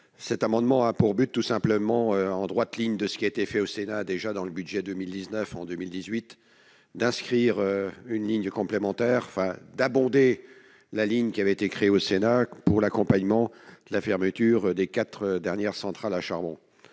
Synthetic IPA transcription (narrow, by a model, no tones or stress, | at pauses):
sɛt̪amɑ̃d̪mɑ̃apuʁbyt̪ːusɛ̃pləmɑ̃øɑ̃d̪ʁwat̪liɲd̪əsə̥kʲiaet̪efɛosenad̪eʒad̪ɑ̃ləbyd̪ʒɛd̪ømild̪iznœfɑ̃d̪ømild̪izɥit̪ | d̪ɛ̃skχiʁøynliɲkɔ̃plemɑ̃t̪ɛʁɑ̃fɛ̃d̪abɔ̃d̪e | laliɲkʲiavɛet̪ekχeeosenapuʁlakɔ̃paɲmɑ̃d̪̥əlafɛʁmət̪yʁd̪ekat̪χəd̪ɛʁnjɛʁsɑ̃t̪χalaʃaʁbɔ̰̃